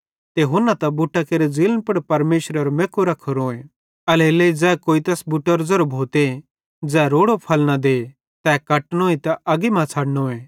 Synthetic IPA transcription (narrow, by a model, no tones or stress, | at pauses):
t̪eɦʊnːat̪ɐbʊʈːakeːɾed͡zilnpɐɽpɐɾmeːʃɾəɾmeːkoɾɐkʰoɾoːe | ɐleleːid͡zɛːkoːit̪ɐsbʊʈːəɾd͡zɐɾbʱoːt̪e | d͡zɛːɾoːɽopʰɐlnad̪eː | t̪ɛːkɐʈnõːit̪ɐʔɐɡimãt͡sʰaːɽnoːeː